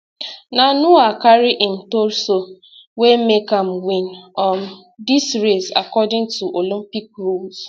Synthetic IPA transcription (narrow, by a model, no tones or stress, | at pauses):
nanuakaɾɪʔɪn̩toɾso | wemekam̩wĩnɔm̩ | disɾesa̰kɔdɪ̃ŋtʰuʔolĩmpik̚ɾolz